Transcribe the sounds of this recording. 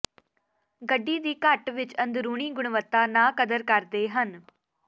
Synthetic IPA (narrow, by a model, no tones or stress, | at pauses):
ɡəɖːiːd̪iːkəʈʋɪt͡ʃənd̪ɾuːɳ̃iːɡʊɳʋət̪ːaːnãːkəd̪əɾkəɾd̪eːɦən